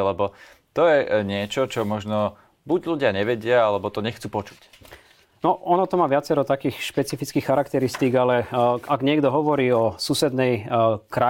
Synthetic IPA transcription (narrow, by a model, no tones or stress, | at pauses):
lɛbɔ | t̪ɔjɛɲɪɛt͡ʃɔt͡ʃɔmɔʒnɔ | buɟluɟɪaɲɛʋɛɟɪaalɛbɔt̪ɔɲɛxt͡suːpɔt͡ʃu̥c | nɔɔnɔt̪ɔmaːʋɪat͡sɛɾɔt̪akiːxʃpɛt͡sifit͡skiːxxaɾakt̪ɛɾist̪iːɡalɛaɡɲɪɛɡd̪ɔɦɔʋɔɾiːɔsuːsɛd̪nɛjkɾa